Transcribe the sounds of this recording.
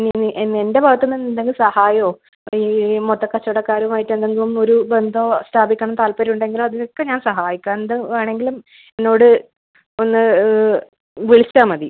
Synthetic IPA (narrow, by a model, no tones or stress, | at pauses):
ninːiʔenːe̞nde̞bʱɐɣɐt̪ːenːenːend̪eŋɡilsɐhaːjoː | iːmot̪ːɐkːɐt͡ɕːɐɽɐkːaːɾumaːjiʈːend̪eŋɡilumo̞ɾube̞nd̪ʱoːstʰaːbikʲːɐɳɐmt̪aːlpɐɾiuɳɖe̞ŋɡilumɐðinokːeɲaːnsɐɦaːjikʲːaend̪ɨaːɳe̞ŋɡilum | enːo̞ːɽɨ | onːɨ | ʋiɭistaːmɐði